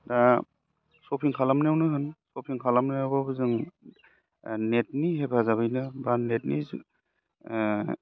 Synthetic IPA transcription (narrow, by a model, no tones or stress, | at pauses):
da | sɔpʰiŋkʰalamnawnɯɦɯnsɔpʰiŋkʰalamnaawbabɯzɯŋ | net̚niɦepʰazaβɯjnɯbanet̚niz